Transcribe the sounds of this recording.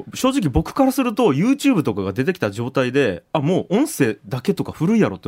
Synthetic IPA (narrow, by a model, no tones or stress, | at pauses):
ɕo̞ːʑik̬ʲibo̞kɯ̥kaɾasɨɾɯ̟t̪o̞jɯːt͡ɕɨːbɯ̟t̪o̞kaɡad̪e̞t̪e̞kʲi̥t̪aʑo̞ːt̪aid̪e̞amo̞ːʔõ̞ɰ̃se̞ːd̪ake̞t̪o̞kaɸɯ̟ɾɯ̟ijaɾo̞̰t̪ːe